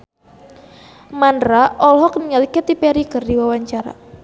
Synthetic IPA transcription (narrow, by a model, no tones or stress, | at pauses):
mandɾaʔɔlɦɔk̚niŋalikɛt̪ipɛɾikɨrdiwawaɲt͡ʃaɾa̰